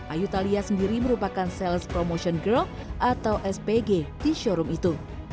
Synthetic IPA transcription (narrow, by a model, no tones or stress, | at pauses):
ʔajut̪aliasəndiɾiməɾupakansɛlspɾomoʃɔnɡəl | ʔat̪awʔɛspeɡed̥iʃɔɾumit̪u